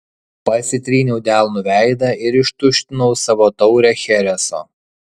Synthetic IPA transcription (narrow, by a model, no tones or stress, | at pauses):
pɐsʲɪt̪ʲɾʲiːnʲɛʊd̪ʲæˑlˠnʊʋʲæˑɪd̪ɐɪɾɪʃt̪ʊʃʲt̪ʲɪnɔʊsɑʋoːt̪ɒʊɾʲɛxʲɛɾʲɛso̰ː